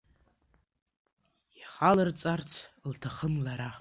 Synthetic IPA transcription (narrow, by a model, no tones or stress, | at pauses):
jaχalɨrt͡sʼart͡sʰltʰaχənlaɾa